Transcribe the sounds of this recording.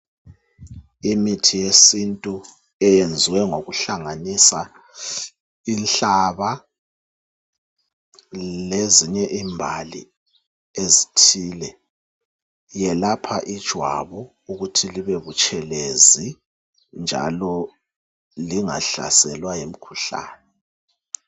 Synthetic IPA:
imitʰijesintʼu | ɛjend͡zʱiwɛŋoɣuɬaŋanisa | inɬaβa | leziɲɛʔimbʱalḭ | ezitʰiːlɛ | jɛlapʰaʔid̥ʒ̥ʱwa̰βu | uɣutʰiliβeβut͡ʃʼʰɛlezi | nd͡ʒʱa̰lɔ | liŋa̰ɬa̰sɛlwajem̩kʰuɬa̰ːnɛ

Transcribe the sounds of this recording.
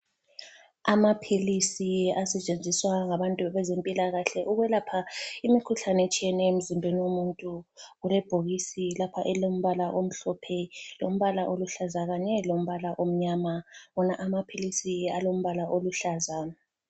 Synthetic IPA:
amapʰilisiasɛt͡ʃʼend͡zʱiswaŋaβantʼuβɛzempʼilaɣaɬɛʔuɣɛlapʰaimikʰuɬanet͡ʃʼiɛnɛem̩zimbʱeniwomuntʼuɣulɛb̥ʱoɣisilapʰaʔɛlom̩βalaʔom̩ɬɔpʰɛlo̰m̩βalaʔoluɬazaɣaɲɛlom̩βalaʔom̩ɲaːmaβɔnaʔamapʰilisialom̩βalaʔoluɬazaa

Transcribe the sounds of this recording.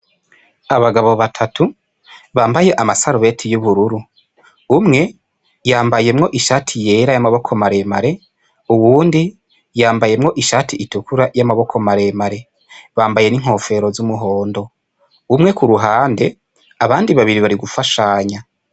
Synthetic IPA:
aβaɡaβo̞βatʰatʰu | βaːmbaje̞ʔamasaɾuβe̞tʰijuβuɾuɾuː | mŋe̞ | jaːmbaje̞mŋo̞ʔiʃaːtʰije̞ɾajamaβo̞kʰo̞maɾe̞maɾe̞ | uwuːndi | jaːmbaje̞mŋo̞ʔiʃaːtʰiitukuɾajamaβo̞kʰo̞maɾe̞maɾe̞ | βaːmbaje̞niŋ̥ho̞ːfe̞ɾo̞zumuɦo̞ːndo̞ | umŋe̞kuɾuɦaːnde̞ | aβaːndiβaβiɾiβaɾiɡufaʃaɲa

